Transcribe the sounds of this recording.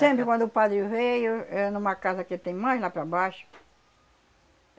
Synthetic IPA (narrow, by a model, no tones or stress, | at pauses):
sẽmpɾɪkwɐ̃nd̪ʊpad̪ɾɪvejʊɛnũmɐkazɐkɪt̪ẽj̃majzlapɾɐbaʃʊ̥